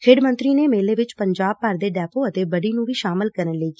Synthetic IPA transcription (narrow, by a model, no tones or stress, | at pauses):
kʰɪɖmənt̪ɾiːneːmeːleːʋɪt͡ʃpəɲd͡ʒaːb̚pəɾd̪eːɖɛːpoːət̪eːbəɖiːnũːʋiːʃaːmɪlkəɾənleːɡiː